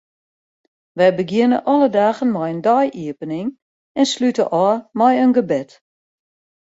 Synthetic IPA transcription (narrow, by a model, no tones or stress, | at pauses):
ʋɛjbəɡjɪnə̰ʔɔlədaːɣənmɔjəndɔjʔiəpənɪŋ | ɛnslytəʔɔmɔjənɡəbɪt